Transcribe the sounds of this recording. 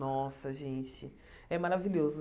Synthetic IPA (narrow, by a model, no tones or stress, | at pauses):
ɔsɐʒẽt͡ʃɪ | ɛmaɾaviʎʲozʊ